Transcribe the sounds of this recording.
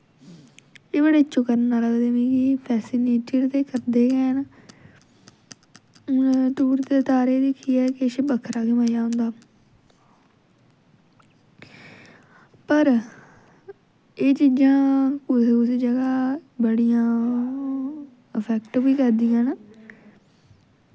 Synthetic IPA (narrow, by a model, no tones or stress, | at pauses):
eːbəɽeːt͡ʃʊkəɾnãːləɡd̪eːnĩːkɪpʰɛːsɪneːʈiɽt̪eːkəɾd̪eːkɛːn | t̪uːɾt̪eːt̪aːɾeːd̪ɪkʰːiːɛːkɪʃeːbəkʰɾaːkɪmaːjaːɦʊ̃nd̪aː | pəɾ | eːt͡ʃiːd͡ʒãːkʊsʊsiːd͡ʒəɡaːbəɽijãː | əpʰɛːkʈʋiːkəɾd̪iːãːn